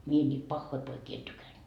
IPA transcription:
mie nʲiːt pɑhːoi poikiː en tykænd̥

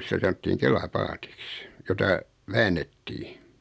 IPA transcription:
sitæ sɑnotːiːŋ kelɑpɑːti̥ks jotɑ ʋæːnːetːiː

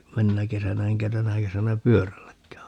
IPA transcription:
menːæ kesænæ eŋkæ tænæ kesænæ pyørælːækːæː

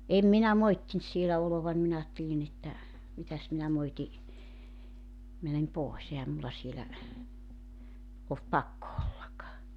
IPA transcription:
eˑm minæ moitːint sielæ oloʋɑn minæ ɑːtːelin etːæ mitæs minæ moiti mænem poˑes ehæm mulːɑ sielæ olt pɑkːo olːɑk

